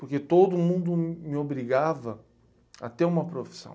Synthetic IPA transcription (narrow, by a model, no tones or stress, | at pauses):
poɾket̪od̪ʊmũnd̪ʊmɪobɾiɡavɐ | ɐ̰t̪eɾũmɐpɾofi̥sɐ̰̃w̃